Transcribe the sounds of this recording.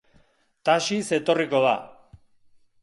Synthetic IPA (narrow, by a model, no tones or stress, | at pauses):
t̪aʃise̞t̪o̞riko̞ða̰